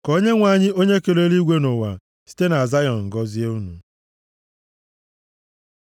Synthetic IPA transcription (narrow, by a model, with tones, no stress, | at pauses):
kɔ˨˦o˦ɲe˦ŋʷa˨ɲɪ˦o˦ɲe˦ke˨le˦li˦ɡʷe˦nʊ˨wa̰˨ | si̥˦te˦na˨a˨za˦jɔ˨n˨ŋ̩˨ɡɔ˦zi˦e˦u˦nṵ˨